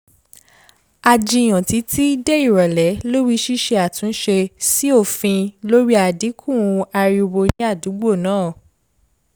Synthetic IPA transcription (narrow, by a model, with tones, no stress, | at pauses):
a˧d͡ʒi˧˨j̃ã˨ti˨˦ti˦dɛ˦i˦˨ɾɔ˨lɛ˨˦lo˦ɾi˦ʃi˦ʃe˧a˨tũ˨˦n̩˦ʃe˧si˦o˦˨fĩ˧lo˦ɾi˦a˨di˨˦kʰũ˦˨ũ˧a˧ɾi˧o˧wo˧nĩ˦a˦˨du˨˦ɡ͡bo˦˨nãː˦˨